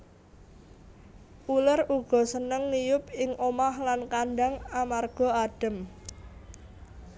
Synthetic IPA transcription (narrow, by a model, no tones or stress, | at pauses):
ʔuləruɡ̥ɔ̤sənəŋlijʊp̚ɪŋʔomahlankanɖaŋamarɡ̥ɔ̤aɖ̥ə̤m